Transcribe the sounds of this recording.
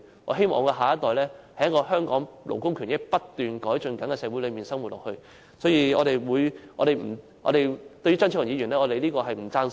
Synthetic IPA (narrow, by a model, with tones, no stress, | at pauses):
ɔ̰ː˨˧ɦe˥jmɔ̰ː˨ŋɔ˧kɛː˧ɦaː˨˩ɐ˥t̪ɔː˨jlɛː˥hɐ˨jɐ˥tkɔː˧ɦœː˥ŋkɔː˨˥ŋlo̰˨˩wkʊ˥ŋkʰy˨˩njɪ˥k̚pɐ˥tt̪ːyː˨nkɔː˨˥jt͡ʃɵ˨˧nkɐ˨˥ŋkɛ˨˧sɛː˧˥wu˨˥lɵ˨˧miː˨nsɐ˥ŋwu˨˩t̚lɔ̰ː˨˩hɵ˧ɥ | sɔː˨˥jiː˧ɔː˨˧ɾe˨jwuː˨˧jʔɔ̰ː˨˧ɾe˨jm̩˨˩ | ʔɔ̰˨˧ɾe˨jt̪ɵ˧ɥy˥t͡sɐ˥nʰː˥˩ɐ˨˩ŋiː˨˧ɥyː˨˩nlɛː˥ɔː˨˧t̪e˨jliː˥kɔː˧ɦɐ˨jm̩˨˩t͡saː˧n